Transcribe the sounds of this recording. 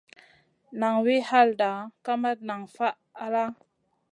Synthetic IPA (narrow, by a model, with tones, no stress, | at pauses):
na˨ŋwi˦ha˦lda˨ka˦ma˦t̚na˨ŋfa˦ʔ | a˦la˦